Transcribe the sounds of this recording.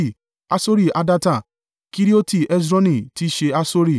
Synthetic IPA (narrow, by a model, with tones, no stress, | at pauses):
i˦˨ | a˧so˦ɾi˦˨ʔa˧da˦˧ta˦˨ | ki˦ɾi˦o˦ti˦˨ɛ˦sɾɔ̃˦nĩ˦˨ti˦ʃe˧a˧so˦ɾi˦˨